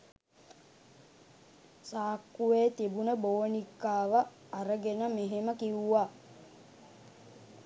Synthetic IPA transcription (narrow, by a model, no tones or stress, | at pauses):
saːkːuʋeːt̪ibunəboːnikːaːʋəː | ɾəɡenəmeɦeməkiuʋaː